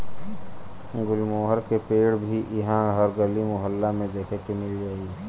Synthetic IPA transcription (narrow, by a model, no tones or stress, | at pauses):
ɡʊlmoːɦəɾkepeːɽbʱiʔɪɦãɦəɾɡəlimʊɦəlːamẽd̪eːkʰekemɪld͡ʒaːi